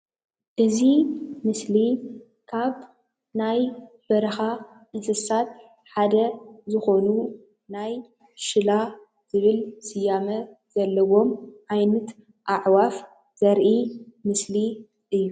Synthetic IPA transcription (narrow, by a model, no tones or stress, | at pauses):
ʔɨzimɨsli | kʰaβ | najbɐɾɐxa | ʔɨnsɨsat̪̚ | ħad̪ɐzɨxo̞nu | naj | ʃɨla | z̥ɨβɨlsɨjamɐz̥ɐlːɐwo̞mʕajnɐt̪ | ʔaʕwaf | z̥ɐɾʔimɨsli | ʔɨjːu